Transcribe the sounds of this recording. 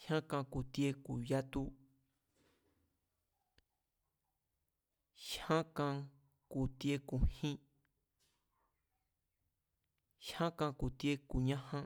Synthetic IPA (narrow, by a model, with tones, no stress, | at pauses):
hã˦kã˧ku˨t̪i˧˦e˧ku˨ja˦t̪u˦ | ʃhã˦kã˧ | ku˧˨t̪i˦e˧ku˨hĩ˦ | ʃhã˦kã˧ku˨t̪je˦ku˨ɲã˦hã˦